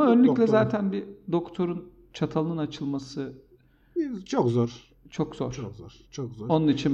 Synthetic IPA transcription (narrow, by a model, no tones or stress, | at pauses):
aønlʲyclʲɛzaːt̪ʰænbid̪o̞kt̪ʰo̞ɾun | t͡ʃʰat̪ʰalˠɯnat͡ʃʰɯlˠmasɯ | t͡ʃʰokzɔɾ | t͡ʃʰo̞kz̥oɾkɾt͡ʃʰokɔo̞nunit͡ʃʰin